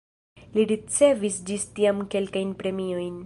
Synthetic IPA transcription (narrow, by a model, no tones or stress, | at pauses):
liɾit͡se̞visd͡ʒistiamke̞lkajnpɾe̞mio̞jn